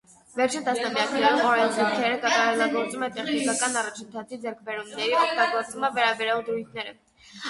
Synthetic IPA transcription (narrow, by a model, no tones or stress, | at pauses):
vɛɾt͡ʃʰint̪ɑsnɑmjɑkʰnɛɾumɔɾɛnt͡sʰukʰɛɾəkɑt̪ɑɾɛlɑɡɔɾt͡sumɛt̪ɛχnikɑkɑnɑrɑt͡ʃʰənt̪ʰɑt͡sʰid͡zɛɾkʰbɛɾumnɛɾiɔk̚ʰt̪ɑɡɔɾt͡svumɑvɛɾɑbɛɾjɑld̪ɾujt̪ʰnɛɾə